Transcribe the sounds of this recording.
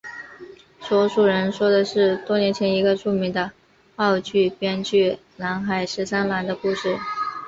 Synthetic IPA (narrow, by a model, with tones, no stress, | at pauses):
swɔ˧˥ʂu˨˩ɻə˧˥nʂwɔ˥d̪ə˨ʂɻ̩˥˩˧t̪wɔ˥njɛ˧˥nt͡ɕʰjɛ˧˥ni˧˥ɡə˧ʈ͡ʂu˥˩mi˧˥ŋd̪ə˧ | ɑ˥˧ʊt͡ɕy˥˩pjɛ˥nt͡ɕy˥˩ | la˧˥nxa˨˩ɪʂɻ̩˧˥sa˥nla˧˥nd̪ə˧ku˥˧ʂɻ̩˥˩